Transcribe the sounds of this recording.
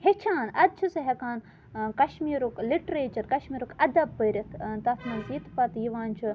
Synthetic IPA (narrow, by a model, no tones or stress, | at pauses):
het͡ʃʰaːnɐd̪̚t͡ʃʰusɨɦekaːn | kɐʃmiːɾukliʈɾeːt͡ʃɐɾkɐʃmiːɾukɐd̪ɐbːəɾʲit̪ʰt̪ɐt̪ʰmɐzit̪pɐt̪jiʋaːnt͡ʃʰu